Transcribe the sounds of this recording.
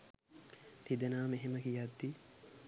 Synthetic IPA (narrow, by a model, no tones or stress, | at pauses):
t̪id̪ənaːmeɦeməkijad̪ːi